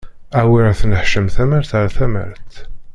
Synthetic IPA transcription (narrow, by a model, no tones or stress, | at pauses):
awiɾθnəħʃəmθæməɾθaɾθæmə̰ɾθ